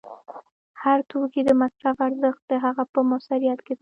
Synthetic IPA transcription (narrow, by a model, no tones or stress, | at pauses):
haɾt̪ʰokid̪əmasɾafaɾzəxt̪̚d̪əɦaɣapəmasaɾijat̪ke